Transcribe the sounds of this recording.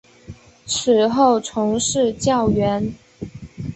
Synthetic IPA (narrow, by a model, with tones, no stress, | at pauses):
t͡s̩ʰ˨˩xo˥˩ʊʈ͡ʂʰʊ˧˥ŋʂɻ̩˥˧t͡ɕjɑ˥˩ʊɥɛ˧˥n